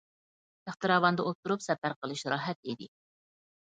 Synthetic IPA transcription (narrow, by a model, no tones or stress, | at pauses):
æχt̪ɨɾɑːwɑnd̪əʔot̪ʰːuɾupsɛpæɾqəlˠɨʃɾɑːɦɛt̪̚id̪ɪ